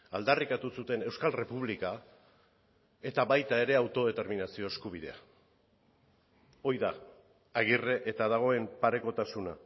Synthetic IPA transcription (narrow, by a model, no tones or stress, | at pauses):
ald̪arikat̪usut̪e̞ne̞wskalre̞puβlika | e̞t̪aβajt̪ae̞ɾe̞awt̪o̞ðe̞t̪e̞ɾminasio̞eskuβ̞iðe̞̰a̰ | o̞jðaː | ɣ̞ire̞ʔet̪aðaɣ̞o̞e̞mpaɾe̞ko̞t̪asuna